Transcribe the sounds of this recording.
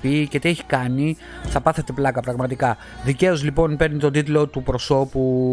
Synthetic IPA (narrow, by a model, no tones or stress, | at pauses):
pice̞t̪ieçi̥kɐni | θɐpɐθe̞t̪e̞plɐkɐpɾɐɣmɐt̪ikɐ | ðice̞o̞zlipo̞npe̞ɾnit̪od̪it̪lo̞t̪upɾo̞so̞pu